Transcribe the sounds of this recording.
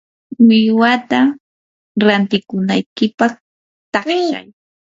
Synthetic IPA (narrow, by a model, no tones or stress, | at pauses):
mɪwat̪a | ɾant̪ɪkʊnajkɪpɑχ | t̪aa̰j